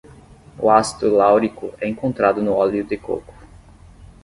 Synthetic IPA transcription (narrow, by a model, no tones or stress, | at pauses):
ʊ̰ast̪ʊlawɾikʊ̰ɛẽkõnt̪ɾad̪ʊnʊɔljʊd̪ɪko̰kʊ̥